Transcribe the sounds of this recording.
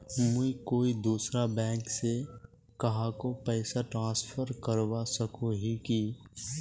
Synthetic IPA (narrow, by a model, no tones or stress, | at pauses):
muikoːid̪uːsɾabɛ̃ːŋkse | kɐɦãkopɛːsaʈɾãːspʰəɾkəɾwasəkũɦiki